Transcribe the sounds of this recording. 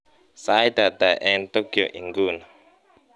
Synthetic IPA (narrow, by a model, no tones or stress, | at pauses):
said̪ad̪ajʔɛnt̪okjo̰ʔiŋɡun